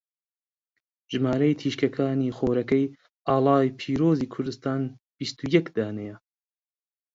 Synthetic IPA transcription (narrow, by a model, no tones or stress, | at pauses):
ʒɨmaːɾɐjt̪ʰiːʃkɐkʰaːniːχoːɾɐkɛj | ʔɑːlˠɑːjpʰiːɾoːziːkʰʊɾd̪ɨst̪aːn | b̥ist̪ujɛkd̪aːnɛjɐ